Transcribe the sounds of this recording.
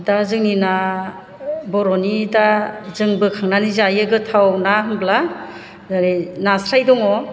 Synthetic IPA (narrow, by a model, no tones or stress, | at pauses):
dazɯŋnina | bɔɾɔnidazɯŋbɯkʰaŋnanizajɯɡɯtʰawnaɦɯŋbla | ɾinasɾajdɔŋɔ